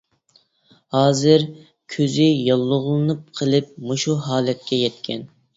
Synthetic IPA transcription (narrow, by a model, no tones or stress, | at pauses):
hɑːzɨɾ | kʲʰøzɪjɑlˠːʊʁlˠɨnɨp̚qʰəlˠɨp̚moʃuɦɑːlɛt̪̚kʲɛjɛt̪kʲʰɛn